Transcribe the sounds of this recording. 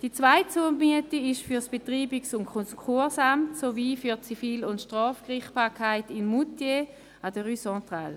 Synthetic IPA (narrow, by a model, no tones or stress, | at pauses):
d̥it͡svaɪtt͡suːnmyətiɪʃfyɐsb̥etʁiːbɪksʊnkʰɔkχuɐsamtsoviːfyɐt͡sifiːlʊntʃtʁɔːfkʁɪχb̥aːɐkʰaɪtɪmːutje | adəʁysɑ̃ːtʁa̰l